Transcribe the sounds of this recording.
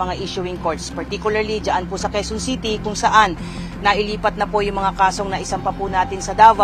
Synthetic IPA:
ɐŋaʔiʃʊwɪŋkoɹt̪spɐɹt̪ikjʊlɐɹlid͡ʒɐʔanpʊsɐkɛsonsiːt̪ikʊŋsɐʔanː | ɐʔɪliːpɐt̪̚nɐpojʊŋmɐŋakaːso̞ŋnɐʔɪsɐmpɐpʊnaːt̪ɪnsɐd̪aːwa

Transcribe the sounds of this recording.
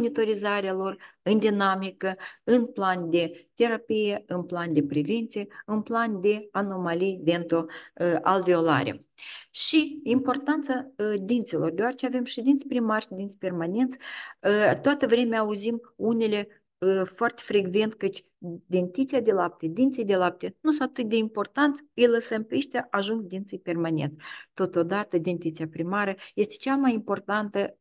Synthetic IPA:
onit̪o̞ɾizaɾealo̞rɨnd̪inamikəɨnpland̪e̞t̪e̞ɾapije̞ɨnpland̪e̞pɾeve̞nt̪sije̞ɨnpland̪e̞ano̞malijve̞nt̪o̞a̰lvio̞la̰ɾḛ | ʃiimpo̞rt̪ant̪sad̪int̪selo̞rd̪eoaɾet͡ʃeave̞mʃed̪int̪sʲpɾimarʃid̪int̪sʲpe̞rmane̞nt̪sʲ | t̪oat̪əvɾe̞mʲeaːuzimunʲe̞lʲe̞ | əfoart̪e̥fɾe̞ɡve̞nt̪kɨt͡ʃʲ | d̪e̞nt̪it̪sijad̪e̞lap̚t̪ʲed̪int̪sijd̪e̞lap̚t̪enusoat̪ɨt̪̚d̪e̞impo̞rt̪ant̪sʲɨjləsəmpeʃt̪ʲaʔaʒuŋɡd̪int̪sɨjpe̞rmane̞̰nt̪sʲt̪o̞t̪od̪at̪əd̪ent̪it̪sijapɾimaɾəje̞st̪e̥t͡ʃamajimpo̞rt̪ant̪ə

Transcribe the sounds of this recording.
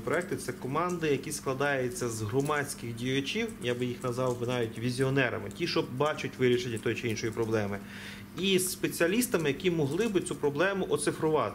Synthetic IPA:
pɾɔɛkt̪ɪt̪sɛkɔmɑnd̪ɪjɐkʲisklˠɐd̪ɑjet͡sʲːɐzɦrɔmɑt͡sʲkɪxdʲijʊt͡ʃʲiwjaɡbɪjixnɐzɑwʋɪnɑjʊtʲʋʲizʲiɔnɛɾɐ̰mɪtʲiʃɔbɑt͡ʃʊtʲʋɪɾʲiʃenʲːɐt̪ɔjt͡ʃɪinʃɔjipɾɔblˠɛmɪ | isːpe̞t͡sʲiɐlʲist̪ɐmɪjɐkʲimɔɦlˠɪbɪt͡sʲupɾɔblˠɛmʊʔɔt̪sɪfɾʊʋɑt̪

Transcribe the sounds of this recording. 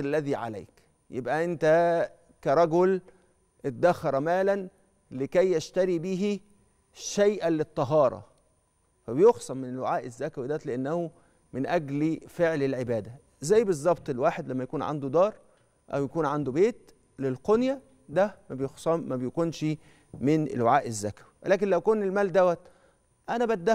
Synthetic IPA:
lːæðiːʕa̰læ̰ːk | jḛbʔæʔent̪æ | kæɾˤɑɡol | ʔet̪̚d̪æxɑɾˤmæːlæn | lɪkæjːæʃt̪æɾibiːɦi | ʃæjʔælet̪ˤːɑɦɑːɾˤɑ̰ | fæbejoxsˤɑmːɪnelwaʕaːʔezːækæwid̪æːt̪leʔanːæhu | mɪnʔæɡlifeʕlelʕebæːd̪æ | zæjːbezˤːɑbt̪ˤelwaːħed̪læmːæjækuːnʕa̰nd̪ud̪ɑːɾˤ | ʔæ̰wjækuːnʕand̪ubeːt̪ | lelqonjæ | d̪æmæbejoxsˤɑmmæbejekuːnʃ | mɪnʔḛlwaʕaːʔezːækæwi̥wlæːk̬enlæwkoːnːelmæːld̪æwæt̪ | ʔænæbæt̪̚d̪æ

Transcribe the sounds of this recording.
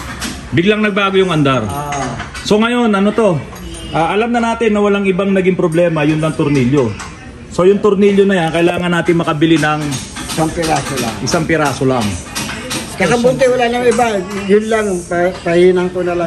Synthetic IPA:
bɪɡlaŋnɐɡ̚baːɡojʊŋɐnd̪aɾ | so̞ŋɐjo̞nʔɐno̞t̪o̞ | ʔaːʔɐlamnɐnaːt̪ɪnːɐwɐlaŋɪbaŋnɐɡɪŋpɾoblɛːmɐjʊnlɐŋt̪ʊɾniljo | so̞jʊŋt̪ʊɾniljonɐjankɐʔɪlaːŋɐnːaːt̪ɪŋmɐkɐbɪlɪnɐŋ | ɪsaŋpɪɾaːsola̰ŋʔɪsaŋpɪɾaːsolaŋ | kɐkɐbʊnt̪ɛwɐlalɐŋɪbajʊnlaŋpɐpɐhiːnɐŋt̪onɐla

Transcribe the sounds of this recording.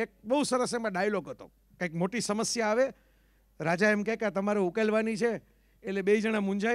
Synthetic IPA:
ek̚bəɦusəɾəsɛmãɖajloɡɦət̪o̰ | kãĩk̚moʈisəməsjaːʋe | ɾad͡ʒaɛmkɛ̃kat̪əmaɾeukelʋanit͡ʃʰeː | t̪lebeid͡ʒəɽ̃amũɲd͡ʒa

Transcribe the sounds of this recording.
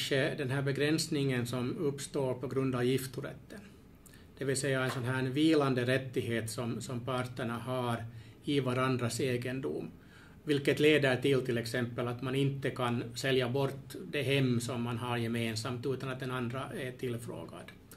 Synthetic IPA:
ʂəd̪ɛnɦæːbɛɡɾɛnsnɪŋːənsɔmɵpːst̪oːɾpʰɔɡɾɵnd̪ɑvjɪft̪uɾɛ̰t̪ːən | d̪̥ɛvɪlsɛjːaɛnsɔnɦæːɳviːland̪əɾɛt̪ːɪɦeːt̪sɔmsɔmpʰɑɾt̪ːəɳaɦɑɾ | ɪvaɾand̪ɾaseːɡənd̪ṵm | vɪlkːət̪leːd̪əʈɪlt̪ʰɪlːɛksɛmpːəlat̪manɪnt̪ːəkʰansɛljabɔɾt̪ːd̪ɛɦɛmːsɔmːanɦɑɾjɛmeːnsɑmt̪ʉːt̪ɑnɑt̪̚d̪ɛnɑnd̪ɾaæʈʰɪlːfɾo̰ːɡa̰d̪̥

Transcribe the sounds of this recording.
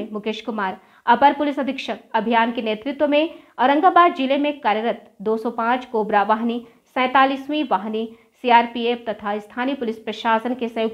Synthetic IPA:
mʊkeːʃkʊmaːɾ | ɐpəɾpʊlɪsɐd̪ʱɪkʃəkɐbʱijaːnkeneːt̪ɾɪt̪wəmẽ | ɔːɾɐ̃ŋɡaːbaːd̪d͡ʒilemẽkaːɾjəɾət̪ | d̪oːsɔpãːt͡ʃkoːbɾaːʋaːɦni | sɛ̃ːt̪aːliːswĩʋaːɦni | siːaːɾpieːpt̪ɐt̪ʰaːɪst̪ʰaːnipʊlɪspɾɐʃaːsənkesɐ̃joːɡ

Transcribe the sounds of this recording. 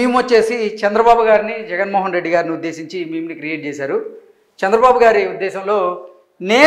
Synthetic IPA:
iːmʋɐt͡ʃːe̞ːsit͡ʃɐnd̪ɾɐbaːbuɡaːɾinid͡ʒɛɡɐnmoːɦɐnɾe̞ɖːiɡaːɾiniud̪ːe̞ːsiɲt͡ʃimiːmnikɾijeːʈ̚t͡ʃeːsaːɾu | t͡ʃɛnd̪ɾɐbaːbuɡaːɾiud̪ːɛːʃɐmlo̞ː | ne̞ː

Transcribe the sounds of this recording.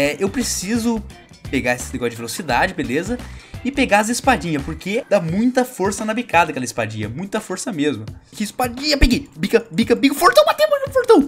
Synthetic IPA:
ɛewpɾesizʊ | peɡaesɪ̥neɡɔsʊd͡ʒɪvelosid̪ad͡ʒɪbelezɐɪpeɡaɐz̬ispad͡ʒĩɲɐpoɾked̪amũj̃t̪ɐfoɾsɐnɐbikad̪ɐkɛlɐispa̰d͡ʒḭɐmũj̃t̪ɐfoɾsɐmezmʊkɪispad͡ʒĩɲɐpeɡebikɐbikɐbiɡʊfoɾt̪ɐ̃w̃bat̪ẽpɐɡĩfoɾt̪ɐ̃w̃

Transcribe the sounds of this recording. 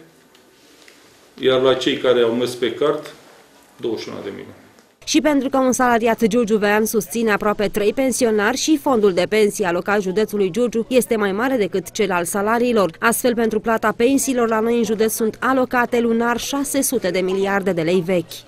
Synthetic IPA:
jarlat͡ʃe̞jkaɾeawmespe̞kart̪ | d̪o̞wəʃiṵnə̰d̪ḛmḭnṵt̪e | ʃipe̞nt̪ɾukəunsalaɾiat̪d͡ʒord͡ʒuveansust̪sine̞apɾoape̞t̪ɾe̞jpe̞nsio̞narʲʃifo̞nd̪uld̪e̞pe̞nsijalo̞kalʒud̪e̞t̪sulujd͡ʒord͡ʒuje̞st̪e̞majmaɾe̞d̪e̞kɨt̪t͡ʃe̞lalsalaɾiːlo̞rast̪fe̞lpent̪ɾuplat̪ape̞nsiːlo̞rlano̞jɨnʒud̪et̪ssunt̪alo̞kat̪e̞lunarʃase̞sut̪e̞d̪e̞miliard̪e̞d̪e̞le̞jve̞kʲ

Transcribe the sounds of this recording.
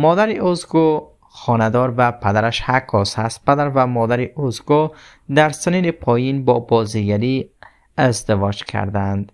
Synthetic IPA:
mɔd̪aɾiuzɡu | χɔnad̪ɔɾvapʰæd̪aɾaʃhakʰːɔshast̪̚pad̪aɾvamɔd̪aɾiʔuzɡu | d̪aɾsininipʰɔjinbɔbɔziɡaɾi | ezd̪ivɔd͡ʒkʰa̰ɾd̪and̪

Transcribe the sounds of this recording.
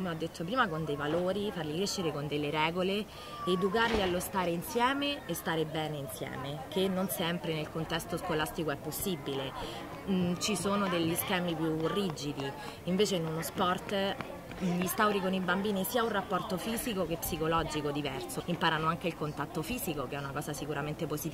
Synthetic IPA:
komeɔd̪ːet̪ːopɾiːmakond̪ejvaloːɾifarlikɾeʃːeɾekond̪elːeɾɛːɡole | ed̪ukarlialːost̪aːɾeinsjɛːmeːst̪aːɾebɛːneinsjɛ̰ːmek̟enːonsɛmpɾenelkont̪ɛst̪oskolast̪ikoɛpːosːibile | t͡ʃisoːnod̪eʎːiskɛːmipjurid͡ʒid̪i | iɱveːt͡ʃeinunospɔrt̪ | ist̪awɾikonoibambiːnisiːaunrapːɔrt̪ofiːzikok̟epsikolɔːd͡ʒikod̪ivɛrsoimpaːɾanoaŋk̟eilkont̪at̪ːofiːzikokeɛunakɔːzasikuɾament̪eposit̪

